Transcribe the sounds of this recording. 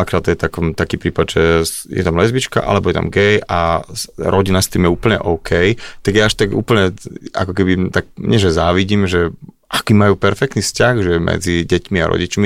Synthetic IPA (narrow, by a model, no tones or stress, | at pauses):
akɾaːd̪t̪ɔjɛt̪akɔmt̪akiːpɾiːpad̪ʒɛjɛ̰t̪amlɛzbit͡ʃka̰ʔa̰lɛbɔjɛt̪a̰mɡɛja | ɾɔɟinast̪iːmjɛuːpl̩ɲɛ̰ʔɔʊkʰɛjt̪aɡjaaʃt̪aɡṵːpl̩ɲɛa̰kɔkɛbit̪aɡɲɛʒɛzaːʋiɟiːmʒɛ | ʔakiːmajuːpɛɾfɛk̚t̪nifscaɣʒɛmʔɛ̰d͡ziɟɛcmiaɾʔɔ̰ɟit͡ʃmi